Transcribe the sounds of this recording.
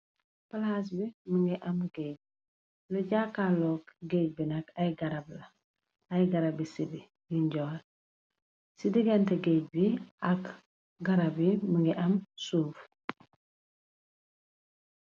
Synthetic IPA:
falhas̬biməŋɡiʔɐmɡeɟ̚ | loɟaːkːaːlɔːkɡeɟ̚binɐkajɡɐɾablɐ | ajɡɐɾabisibi | jiɲɟɔːl | sidiɡantɛɡeːɟ̚biɐk | ɡɐɾabiməŋɡiʔɐmsuf

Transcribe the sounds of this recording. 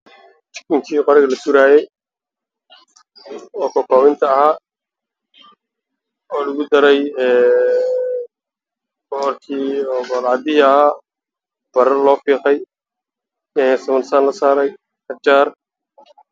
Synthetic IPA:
t͡ʃɪ̥kɪŋkʰiːqɔɾɪɣɐlɐsuɾaːjɛj | ɔːkʰɔːkɔːwɪnt̪ʰɐːɦaː | ɔːlɐɣʊd̪ɐɾɛjɛː | b̥ɔrkʰiːɔːbɔlɑd̪ɪɦɪɐhaː | b̥ɐɾɐlɔːfiːqɛj | ɛsɐmɐnsaːnlɐsaːɾɛj | kɐt͡ʃaːɾ

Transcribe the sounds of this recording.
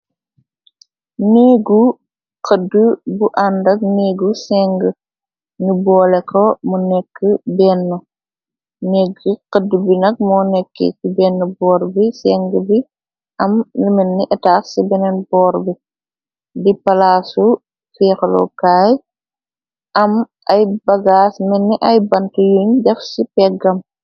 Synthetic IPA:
niːɡu | qədːubuʔandɐk̚niːɡusɛŋɡə | ŋibɔːlɛkʰɔmunɛkːəbɛːnːɔ | neːɡəqədːubinɐk̚mɔːnɛkːḛkibɛːnːɔbɔːɾbisɛŋɡəbi | ʔɐmnlimenːiʔɛtaːssibɛnɛnbɔːɾbi | dipɐlaːsu | fiːxlɔ̰kaːj | ɐm | ɐjbɐɡaːsmɛnːiʔɐjbɐntujuɲdɐfsipɛɡɐm

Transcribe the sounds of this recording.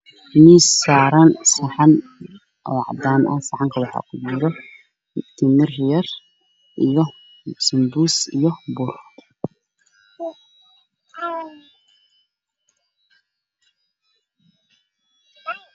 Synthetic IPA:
miːsaːɾɐnsɐħɑn | ʔɔːʕɑ̰d̪aːnʔɐ̰sɑʕɑŋkʰɐwɑħɑ̰ːkʰʊt͡ʃɪɾɔ | t̪ʰɪmɪrjɐr | ʔijɔ | sɪmbuːsijɔbʊr

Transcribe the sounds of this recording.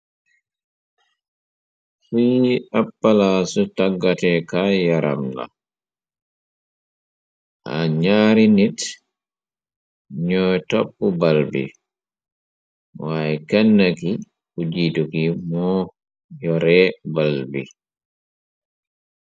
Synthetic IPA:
fiapːalaːsutaɡːatɛkajaɾʔa̰mla̰ | ʔa̰ɲaːɾinit | ɲɔjtopːubalbḭ | wajikɛnːaki | kud͡ʒiːtukimɔ | jɔɾɛbalbḭ

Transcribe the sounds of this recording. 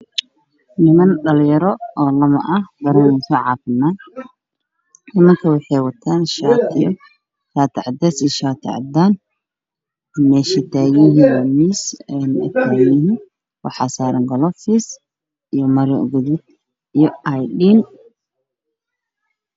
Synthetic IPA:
nɪmɐnɖɐljɐɾɔɔːlɐmɐ̰ʔɐhbɐɾɐnɛsɔʕɑːfɪmaːn | nɪmɐŋkʰɐwɑħɑjwɐt̪ʰaːnʃaːt̪ʰɪ | ʃaːt̪ʰɪʕɑd̪ɛsiʃaːt̪ʰɪ̰ʕɑ̰d̪aːn | mɛːʃɪt̪ʰaːɣɪɦijmisɛnɛ̰t̪ʰaːɣɪɦi | wɑ̰ħɑsaːɾɐŋɡɐlɔfis | ijɔmɐɾɪɡʊðʊd̪̚ | ijɔʔajɗiːn

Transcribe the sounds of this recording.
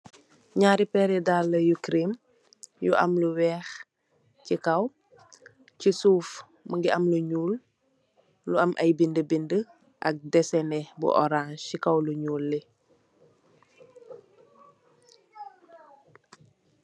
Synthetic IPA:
ɲaːɾipɛɾɛdalːəjukɾim | jṵʔɐ̰mluwɛːx | cikɐw | cisuːf | məŋɡiʔɐmluɲuːl | luɐmʔɐjbindəbində | ʔɐk̚dɛsɛnɛbṵʔɔ̰ɾaːnʃikɐwluɲuːlːi

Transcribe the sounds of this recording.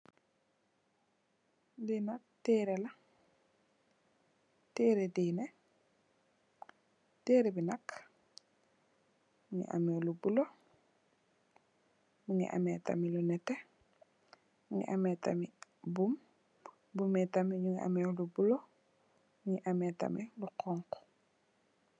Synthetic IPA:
dinak̚teːɾela | teːɾedine | teːɾebinak | muŋḭʔa̰mɛlubulo | muŋḭʔa̰meta̰milunɛte | muŋḭʔamɛta̰mibum | bumɛtamiɲuŋiʔa̰mɛlubulo | uŋiʔamɛta̰miluqɔŋko̥

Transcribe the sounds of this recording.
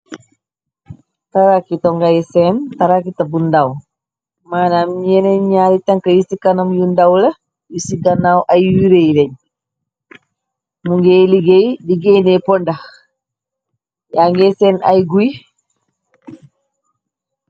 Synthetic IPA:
taɾakitɔŋɡajsɛntaɾakitabundaw | maːnamɲɛneɲaɾitaŋkajisikanamjundawlɐ | jisiɡanawʔajwiɾejlɛɲ | muŋɡeliɡejdiɡenɛpɔndax | jaŋɡesɛna̰jɡuj

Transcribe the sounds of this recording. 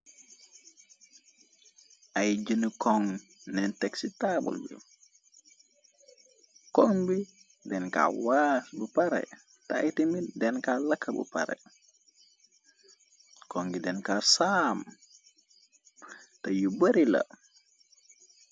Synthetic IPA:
ʔajɟənəkɔŋnɛntɛksitaːbṵlbḭ | kɔŋbi | dɛnka̰wasbupaɾɛ̰ | taːjtimidɛnkaːlɐkʰːɐbṵpa̰ɾɛ̰ | kɔŋɡidɛnkaːsaːm | tɐjubɐɾilɐ̰

